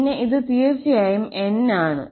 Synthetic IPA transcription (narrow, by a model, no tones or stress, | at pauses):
nːeʔiðɨt̪iːrt͡ɕːɐjaːjume̞naːɳɨ̰